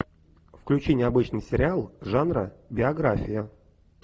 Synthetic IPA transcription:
fklʲʉt͡ɕinʲɪɐbɨt͡ɕnɨjsʲɪɾʲɪalˠʐanɾə̰bʲɪɐɡɾafʲɪjə

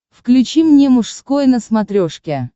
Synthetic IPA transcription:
fklʲʉt͡ɕimnʲemʊʂskojnəsmɐt̪ɾʲoʂkʲɪ

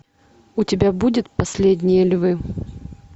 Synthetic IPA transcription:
utʲɪbʲabudʲɪt̪̚pɐsʲlʲedʲnʲɪjɛlʲvɨ

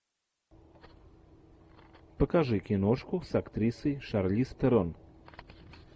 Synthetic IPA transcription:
pəkaʐɨkʲɪnoʂkʊsakt̪ɾʲisəjʂarlʲist̪ɐɾon

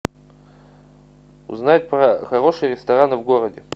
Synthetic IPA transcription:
ʊ̰znajt̚ʲpɾɐxɐɾo̞ʂɨjəɾʲɪst̪ɐɾanɨvɡoɾədʲɪ

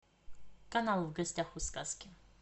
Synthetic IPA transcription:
kɐnalˠvɡɐsʲtʲaxuskaskʲɪ

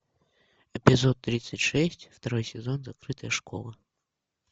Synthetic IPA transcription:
ɛpʲɪzɔt̪ːɾʲit̪sɨtʲʂɛsʲtʲft̪ɐɾɔjsʲɪzɔnzɐkɾɨt̪əjəʂkɔ̰lˠɐ

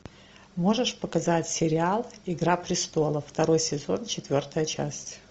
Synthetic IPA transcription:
mo̞ʐəʂpəkɐzatʲsʲɪɾʲɪalˠɪɡɾapɾʲɪst̪o̞lˠəft̪ɐɾo̞jsʲɪzo̞nt͡ɕɪt̪vʲo̞rt̪əjət͡ɕa̰sʲtʲ

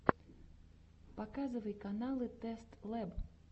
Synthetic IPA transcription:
pakazɨvɐjkanalˠɨt̪ɛst̪lˠɛb

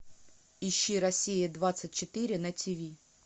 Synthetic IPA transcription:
ɪɕːiɾɐsʲijɪd̪vat̪sɨt̚ʲt͡ɕɪt̪ɨɾʲɪnɐtʲʰivʲi

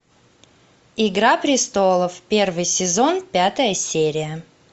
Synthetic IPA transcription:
ɪɡɾapɾʲɪst̪o̞lˠəfpʲe̞rvɨjsʲɪzo̞npʲat̪əjəsʲeɾʲɪjə

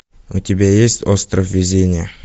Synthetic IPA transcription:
ʊtʲɪbʲajesʲtʲost̪ɾəfvʲɪzʲenʲɪjə

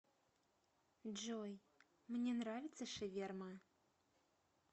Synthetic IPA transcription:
d͡ʒoj | mnʲenravʲit̪sɐʂɨvʲermɐ

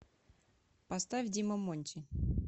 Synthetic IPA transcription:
past̪avʲdʲiməmonʲtʲɪ

